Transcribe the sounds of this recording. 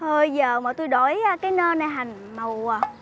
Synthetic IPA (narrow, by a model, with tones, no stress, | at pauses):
həː˧jzəː˨˩maː˨˩t̪u˧jɗo˧˩ja˧kaː˨˦jnəː˧na˨˩jɦa˨˩ŋ̟ | mə˨˩waː˨˩